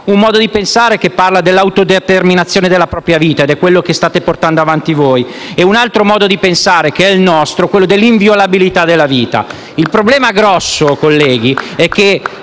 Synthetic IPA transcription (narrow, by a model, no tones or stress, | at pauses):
umːɔːd̪od̪ipensaːɾek̟epːarlad̪elːawt̪od̪et̪erminat̪sːjoːned̪elːapɾɔːpɾjaviːt̪aed̪ɛkːwelːok̟est̪aːt̪eport̪and̪oavant̪ivoːj | eunalt̪ɾomɔːd̪od̪ipensaːɾekeɛilnɔst̪ɾokwelːod̪elːiɱvjolabilit̪ad̪elːaviːt̪a̰ | ilpɾoblɛːmaɡɾɔsːokolːɛːɡ̟iɛkːe